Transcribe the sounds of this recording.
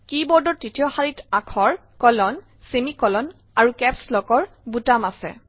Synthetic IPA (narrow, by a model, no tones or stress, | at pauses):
kibɔɹdɔtitijɔxaɹitakʰɔɹ | kɔlɔn | semikɔlɔn | aɹukɛpslɔɡɔɹ | butamasɛ̰